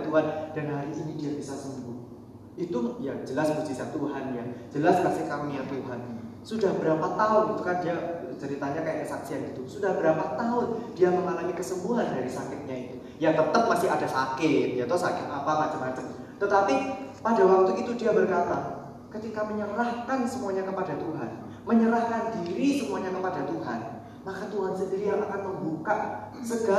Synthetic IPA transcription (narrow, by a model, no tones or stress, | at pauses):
t̪uɦand̥anɦaɾiːnidiabisasəmbuh | it̪ujad͡ʒəlasbut͡ʃisat̪uɦanjad͡ʒəlaskasɪhkamijat̪uɦansudahbəɾapat̪aʊnit̪ukandiat͡ʃəɾit̪aɲakajaʔkəsaksianit̪usudahbəɾapat̪aɦʊndiaməŋanamikəsəmbuɦandaɾisakɪt̪̚ɲait̪u | jaŋt̪ət̪əp̚masɪɦadasakɪt̪̚jat̪ɔsakɪt̪̚apamat͡ʃəmːat͡ʃəm | t̪ət̪apipadawak̚t̪uit̪udiabərkat̪a | kət̪ikaməɲəɾahkansəmuaɲakəpadat̪uɦa̰n | məɲəɾahkandiɾisəmuaɲakəpadat̪uɦa̰n | makat̪uɦansəndiɾijaŋakanməmbukaʔsəɡa